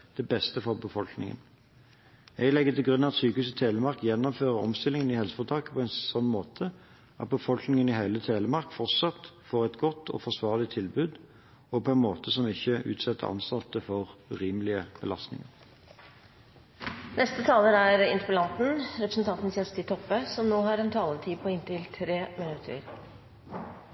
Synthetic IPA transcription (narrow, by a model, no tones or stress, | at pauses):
d̪̥ɛbɛst̪əfɔʁbəfɔlknɪ̰ŋə̰n | jɛɪlɛɡːət̪ʰɪlɡʁʉnːɑɑt̪syːkəhʉːs̬ət̪ʰeːləmɑʁkjɛnːɔmføːʁəɔ̰mst̪ɪlɪŋənɪhɛlsəfɔʁt̪ʰɑːkə̥pʰɔɛnsɔnːmoːt̪ʰə | ʔɑ̰t̪̚bəfɔlknɪŋənɪɦeɪlət̪ʰeːləmɑʁkfɔʁt̪sɑt̪foːʁɛt̪ɡɔt̪ːɔ̰fɔʁsʋɑːʁlɪt̪ʰɪlbʉːd̪ | ɔpʰɔɛnmoːt̪ʰəsɔmɪçəʔʉ̰ːt̪sɛt̪ːə̰ʔɑ̰nst̪ɑt̪ːəfɔʁʉʁiːməlɪəb̥əlɑst̪nɪ̰ŋəʁ | nʔɛst̪ət̪ʰɑːləɾæɾɪ̰nt̪əpəlɑnt̪n̩ɾɛpɾəsən̩t̪ɑnt̪n̩sjɛst̪ɪt̪ʰɔpːəsɔmnoːhɑːɾɛnt̪ʰɑːlət̪ʰiːpʰɔɪnt̪ɪlt̪ʰɾeːmɪnʉt̪ʰə̰ɾ